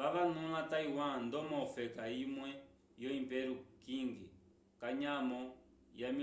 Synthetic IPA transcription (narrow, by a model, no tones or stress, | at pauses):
ʋaʋanũlataiwãndɔmɔfɛkaimwɛ | jɔimpɛɾukiŋɡi | kaɲamɔ | jami